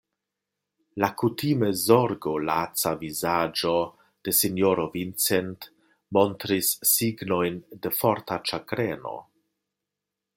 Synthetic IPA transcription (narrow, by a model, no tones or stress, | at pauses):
lakutimezoɾɡolat͡savizad͡ʒo̞ | d̥e̞sinjoɾovint͡sent | mo̞ntɾisːiɡno̞jnde̞fo̞ɾtat͡ʃakɾeno̰